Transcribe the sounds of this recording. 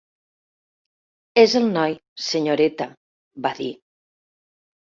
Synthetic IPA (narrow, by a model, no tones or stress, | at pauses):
ezelnɔjseɲoɾet̪a | baði